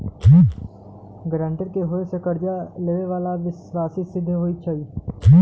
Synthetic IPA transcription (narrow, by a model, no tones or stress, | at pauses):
ɡɾə̃ːɳʈəɾkeɦoesekɐɾd͡ʒaleːʋeʋaːlaʋɪswaːsisɪd̪ʱːɦoːit͡ʃʰaːi